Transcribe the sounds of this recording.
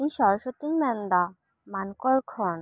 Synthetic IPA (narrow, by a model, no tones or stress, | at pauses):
iɲʃɔɾʃot̪iɲmɛnd̪a | mankɔlkʰɔn